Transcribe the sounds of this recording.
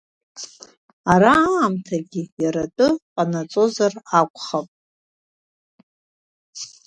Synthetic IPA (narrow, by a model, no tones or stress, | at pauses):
aɾaːmtʰaɡʲijaɾatʼɨqʼanat͡sʼo̞zarakʷʰʼχapʼ